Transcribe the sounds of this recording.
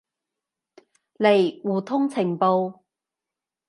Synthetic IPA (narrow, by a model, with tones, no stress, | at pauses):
le˨˩jwuː˨˩t̪ʰʊ˥ŋt͡sʰɪ˨˩ŋpo˧w